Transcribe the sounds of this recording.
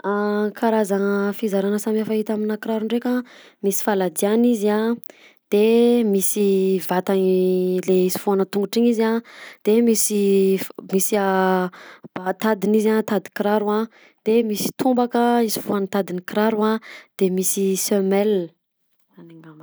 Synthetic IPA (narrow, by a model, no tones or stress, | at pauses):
akʰaɾazaŋəfizaɾanəsamiafaɦit̪aminakɾaɾuɳɖ͡ʐeka | misi̥falad̪ianiza | d̪̥emisivat̪aleisi̥fuanət̪uŋɡuʈ͡ʂiɲizad̪̥emisi | misia | bat̪ad̪inizat̪ad̪i̥kɾaɾuã | d̪̥emisi̥t̪ʰumbakəizi̥fuanət̪ad̪inikɾaɾuad̪̥emisisømɛl | zanaŋam